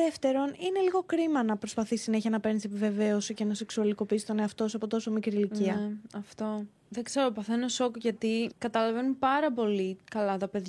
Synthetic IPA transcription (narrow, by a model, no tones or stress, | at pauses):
eft̪e̞ɾo̞nine̞liɣo̞kɾimɐnɐpɾo̞spɐθisine̞çiɐnɐpe̞ɾnisepive̞ve̞o̞sicenose̞ksuɐliko̞pist̪o̞ne̞ɐft̪o̞sɐpo̞t̪o̞so̞mikɾiliciɐɐft̪o̞ | ðe̞ɡze̞ɾo̞pɐθe̞noso̞kʝɐt̪ikɐt̪ɐlɐve̞numpɐɾɐpo̞likɐlɐt̪ɐpe̞ðʝ